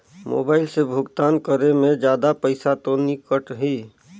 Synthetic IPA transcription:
mo̰ːbaːɪlsebʱʊɡt̪aːnkəɾemẽd͡ʒjaːd̪apəɪsat̪onikəʈɦi

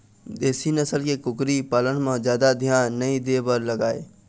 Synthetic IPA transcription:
d̪eːsinəsəlkekʊkɾipaːlənmãd͡ʒjaːd̪ad̪ʱjaːnːɐĩd̪eːbəɾləɡaːḛː

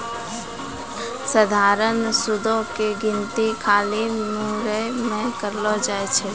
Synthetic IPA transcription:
səd̪ʱaːɾənsʊd̪ʱõkeɡɪnt̪ikʰaːlimuːɾemẽkəɾlod͡ʒaːet͡ʃʰɛ

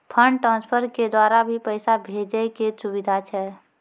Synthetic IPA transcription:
pʰə̃ɳɖʈɾãːnspʰəɾked̪waːɾabʱipəɪsabʱeːd͡ʒəkesʊwɪd̪ʱat͡ʃʰɛː

